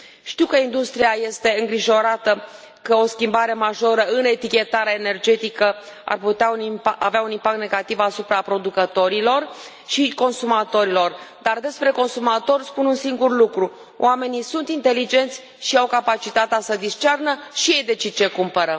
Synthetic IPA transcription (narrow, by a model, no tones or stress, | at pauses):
ʃt̪iwkəind̪ust̪ɾiaje̞st̪e̞ɨŋɡɾiʒo̞ɾat̪ə | kəo̞skʲimbaɾe̞maʒo̞ɾəɨne̞t̪ikʲe̞t̪aɾeene̞rd͡ʒe̞t̪ikə | a̰rput̪eauniaveaunimpakt̪neɡat̪ivasupɾapɾo̞d̪ukət̪o̞ɾilo̞r | ʃiko̞nsumat̪o̞ɾilo̞rd̪ard̪e̞spɾe̞ko̞nsumat̪o̞rʲspununsiŋɡurlukɾu | w̰ʔame̞nisunt̪int̪e̞lid͡ʒe̞nt̪sʲ | ʃiawkapat͡ʃit̪at̪easəd̪ist͡ʃernəʃije̞jd̪e̞t͡ʃid̪̚t͡ʃe̞kumpəɾə